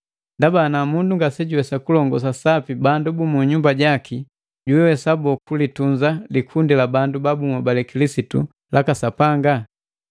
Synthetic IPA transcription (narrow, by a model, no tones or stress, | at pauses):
ndabaːnamunduŋɡasɛɟuwɛsakulɔŋɡɔs̬asapibandubumuɲumbaɟaki | ɟuwɛwɛsabɔkulituɲd͡ʒalikʰundilabandubabumubalɛkilisitṵ | lʔakasapaŋɡa